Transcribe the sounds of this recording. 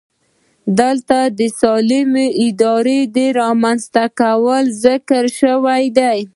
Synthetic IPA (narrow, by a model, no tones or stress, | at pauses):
d̪əlt̪ad̪əsɑlɪmeʔɪd̪ɑɾed̪eɾɑmanzt̪akawəlzɪkəɾʃəwajd̪aj